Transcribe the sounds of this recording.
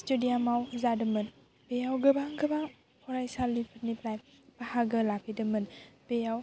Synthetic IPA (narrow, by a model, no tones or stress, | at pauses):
studiamawzadəmən | peawɡəbaŋɡəbaŋ | kuɾajsalipʰəniplaj | pahaɡəlapidəmənpejaw